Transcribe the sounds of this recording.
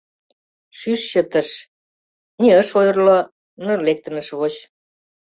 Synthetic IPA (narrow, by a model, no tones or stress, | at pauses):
ʃyʃɕət̪ə̆ʃ | niəʃojɤrlo | nə̆rlek̚t̪ə̆nə̆ʃβot͡ɕ